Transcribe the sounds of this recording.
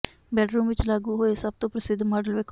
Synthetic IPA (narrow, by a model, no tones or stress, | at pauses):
bɛːʈɾuːmʋɪt͡ʃlaːɡuɦoːesɐb̚t̪õpɾəsɪd̪ʱːmaːɖəlʋeːk